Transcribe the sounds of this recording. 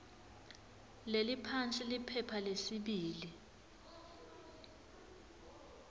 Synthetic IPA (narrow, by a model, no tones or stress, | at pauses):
lelipʰant͡sʼilipʰɛpʰalesiɓiːli